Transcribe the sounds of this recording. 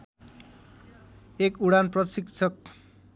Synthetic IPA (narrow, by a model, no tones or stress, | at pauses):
ekuɽanprʌsiksʰʌk̚